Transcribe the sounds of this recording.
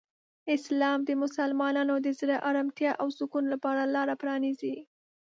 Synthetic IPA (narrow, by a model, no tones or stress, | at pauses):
ɪslɑmd̪əmʊsalmɑnɑnod̪əzɾaʔaɾamt̪jɑʔawsʊkunlapɑɾalɑɾapɾɑnizi